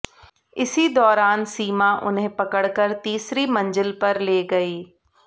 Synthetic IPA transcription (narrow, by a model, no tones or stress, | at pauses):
ɪsid̪ɔːɾaːnsiːmãʔʊ̰nɦẽpɐkəɽkəɾt̪iːsɾimɐ̃ɲd͡ʒəlpɐɾleːɡɐiː